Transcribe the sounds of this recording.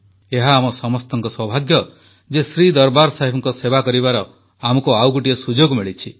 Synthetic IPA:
eɦaːmɔsɔmɔst̪ɔŋkɔswɔbʱaɡjɔ | d͡ʒesɾid̪ɔɾbaɾsaɦibɔŋkɔsebakɔɾibaɾɔ | amɔkuawɡuʈiesud͡ʒoɡmiɭit͡ʃʰi

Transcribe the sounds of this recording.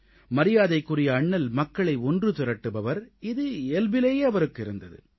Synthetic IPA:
mɐɾɪjaːðɐɪkːɯrɪjɐːɳːɐlmɐkːɐɭɐɪɔndrɯt̪ɪɾɐʈːɯbɐʋɐɾɪðɯɛlbɪleːjeːɐʋɐɾɯkːɪɾɯnd̪ɐðɯ̰

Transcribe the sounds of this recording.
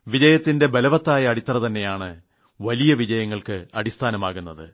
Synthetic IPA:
ʋid͡ʑɐjɐt̪ːinde̞belɐʋɐt̪ːaːjɐːɽit̪ːɐrɐt̪ɐnːe̞jaːɳɨ | ʋɐlijɐʋid͡ʑɐjɐŋːɐɭkɨɐɽist̪ʰaːnɐmaːɣunːɐðɨ̰

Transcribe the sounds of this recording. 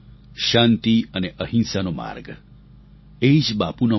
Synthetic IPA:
ʃãnt̪iəneʔəɦĩnsanoma̰ɾɡ | eid͡ʒbapuno

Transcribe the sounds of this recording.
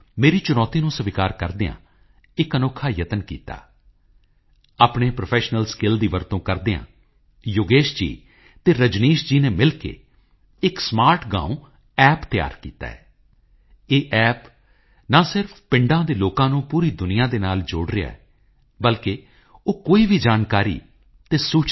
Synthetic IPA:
meːɾiːt͡ʃʊnɔːt̪iːnũːsəʋɪkaːɾkəɾd̪ɪã̰ː | ɪkənoːkʰaːjət̪ənkḭːt̪a̰ː | aːpɳeːpɾopʰɛːʃnəlskɪld̪iːʋəɾt̪õːkəɾd̪ɪã̰ː | jʊɡeːʃd͡ʒḭː | t̪eːɾəd͡ʒniːʃd͡ʒiːneːmɪlkḛː | ɪksmaːɾʈɡã̰ːũ | ɛːpt̪ɪja̰ːɾkḭːt̪a̰ːɛː | eːʔɛːp | naːsɪɾpʰpɪɳɖãːd̪eːloːkãːnũːpuːɾiːd̪ʊnɪjãːd̪eːnaːld͡ʒoːɽɾɪja̰ːɛ | bəlkeː | oːkoːiːbʱiːd͡ʒaːnkaːɾḭː | t̪eːsuːt͡ʃ

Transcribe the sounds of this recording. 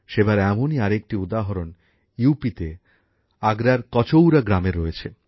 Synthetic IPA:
ʃebaɾɛmoniaɾek̚ʈiud̪aɦoɾon | jupit̪e | aɡɾaɾkɔt͡ɕowɾaɡɾameɾɔet͡ɕʰe

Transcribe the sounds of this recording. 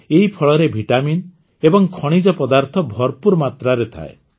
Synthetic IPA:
eɦipʰɔɭɔɾebʱiʈamin | ebɔŋkʰɔɽ̃id͡ʒɔpɔd̪aɾt̪ʰɔbʱɔɾpuɾmat̪ɾaɾet̪ʰa̰e

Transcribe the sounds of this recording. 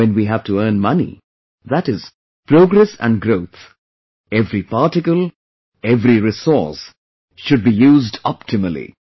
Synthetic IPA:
ɛ̃nwiɦævʈuəːnmʌnḭ | ðæʈɪz̥ | pɾoːɡɾɛsæ̰̃nɖɡɾoʊt̪ | ɛvɾipaʈɪkəlˠ | ɛvɾiɾɪsɔːˑs | ʃʊɖ̚bijuːzdɔpʈʰɪməlḭ

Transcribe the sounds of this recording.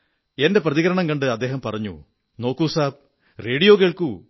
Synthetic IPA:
e̞nde̞prɐðiɣɐɾɐɳɐŋkɐɳɖɨɐd̪ːe̞ːɦɐmpɐrɐɲːṵ | no̞ːkːuːsaːb̚ | re̞ːɽijo̞ːk̬eːɭku

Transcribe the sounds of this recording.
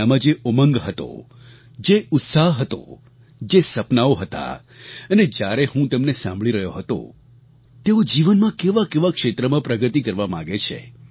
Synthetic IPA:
amãd͡ʒeʔoməŋɡɦət̪o̰ | d͡ʒeʊt̪saɦɦət̪o̰ | d͡ʒesəpnaoɦət̪a̰ | əned͡ʒjaɾeɦũt̪əmnesã̰mbʱɭiɾəɦjoɦət̪o̰ | t̪eod͡ʒiʋənmãkeʋakeʋakʂet̪ɾəmãpɾəɡət̪ikəɾʋamã̰ɡet͡ʃʰḛ

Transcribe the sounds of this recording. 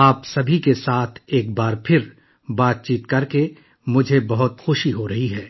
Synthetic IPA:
aːpsɐbʱikesaːt̪ʰeːkbaːɾpʰɪɾ | baːt̪̚t͡ʃiːt̪kɐɾke | mʊd͡ʒʱebɐɦʊt̪xʊʃiɦoɾɐɦiɦɛː

